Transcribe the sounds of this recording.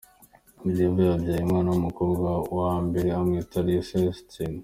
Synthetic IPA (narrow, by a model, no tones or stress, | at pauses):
ubjiːveabjaːjimŋaːnaumukoːbɡawambeɾeamŋetʰaɾisestin